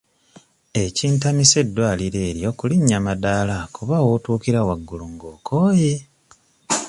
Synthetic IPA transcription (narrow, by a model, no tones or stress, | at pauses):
e̞ciːntamise̞dːwaːliɾe̞ːɾjo̞kuliɲːamadaːlakuβawotuːkiɾawaɡːuluŋɡoːko̞ːje̞